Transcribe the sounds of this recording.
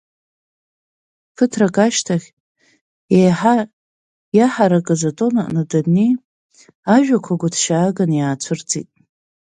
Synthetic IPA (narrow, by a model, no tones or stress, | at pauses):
pʰɨtʰrakʼaʃtʰaχʲ | ejħa | jaħaɾakʼazatʼonaʔnadani | aʒᶣakʷʰaɡʷʊtʰʃaːɡanjaːt͡sʷʰɨrt͡sʼḭtʼ